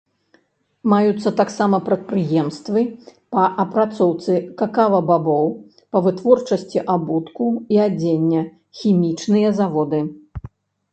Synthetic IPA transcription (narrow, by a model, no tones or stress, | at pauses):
majut̪sːɐt̪aksamɐpɾɐt̪̚pɾɨjɛmst̪vɨpɐʔɐpɾat̪sɔwt̪sɨkakavɐbabɔw | pɐvɨt̪vɔrt͡ʂɐsʲt͡sʲiʔabut̪kuiad͡zʲenʲːɐ | xʲimʲit͡ʂnɨjɐzavɔd̪ɨ